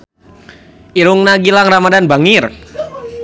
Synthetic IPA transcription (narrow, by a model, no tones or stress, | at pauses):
ʔiɾʊŋnaɡilaŋramadanbaŋir